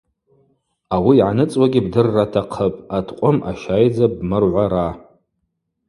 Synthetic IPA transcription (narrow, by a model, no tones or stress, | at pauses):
awiːʕanɨt͡sʼwaɡʲibdɨrːatʰaqʰəpʼatʰqʷʼʊma̰ʃajd͡zabmɨrʕʷaɾa